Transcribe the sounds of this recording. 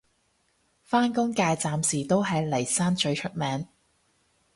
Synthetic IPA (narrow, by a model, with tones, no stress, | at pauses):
faː˥nkʊ˥ŋkaː˧jt͡saː˨msiː˨˩t̪o˥wɦɐ˨jlɐ˨˩jsaː˥nt͡ʃɵ˧ɥt͡ʃʰɵ˥t̚mɛː˨˧ŋ